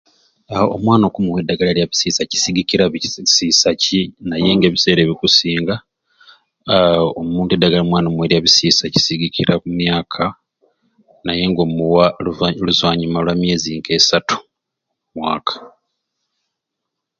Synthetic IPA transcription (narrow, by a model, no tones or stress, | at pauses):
o̰mwaːno̞ːkumuwe̞dːaɡalaljaβisiːsaci̥siɡiciɾasiːsacinaje̞ŋɡe̞ːβise̞ːɾe̞ːβikusiːŋɡa | omuːntuedːaɡalamwaːnomuweɾjaβisisaci̥siɡikʰiɾakumjaːkʰa | naje̞ŋɡo̞ːmuwaluzwaːɲimalwamje̞ːziŋɡe̞satu̥ | mwaːkʰḁ